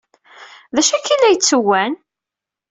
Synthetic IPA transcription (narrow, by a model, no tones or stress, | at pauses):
ðæʃækilːæjət͡sːəwːæn